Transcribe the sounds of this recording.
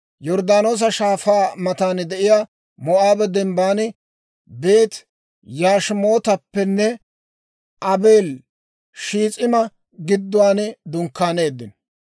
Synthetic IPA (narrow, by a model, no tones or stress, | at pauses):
jɔɾd̪aːno̞ːs̬ɐʃaːfaːmɐt̪aːnd̪ɛʔɪjaː | mɔʔaːbɛd̪ɛmbaːn | be̞ːt̪ | jaːʃmo̞ːt̪ɐpːɛnːɛ | ʔɐbe̞ːl | ʃiːt͡sʼɪmɐ | ɡɪd̪ːʊwaːnd̪ʊŋkːaːne̞ːd̪ːɪn